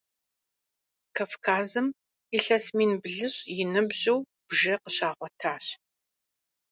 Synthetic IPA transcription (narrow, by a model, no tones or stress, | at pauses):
kʰaːfkʰaːzɨm | ɪɬɐsmiːnbɮɨɕjɪnɨbʑɪw | b̥ʒɐqəɕaːʁʷɔtʰaːɕ